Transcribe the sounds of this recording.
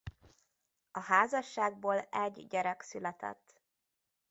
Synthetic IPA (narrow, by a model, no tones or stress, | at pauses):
ɒɦaːzɒʃːaːɡ̚boːlɛɟɟɛɾɛksylɛt̪ɛ̰t̪ː